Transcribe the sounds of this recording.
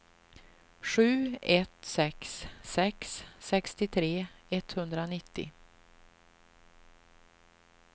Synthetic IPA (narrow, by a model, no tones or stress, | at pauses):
ɧʉ̟ːɛt̪sɛkssɛkssɛkst̪ɪt̪ʰɾeːɛt̪hɵnd̪ɾanɪt̪ːɪ̰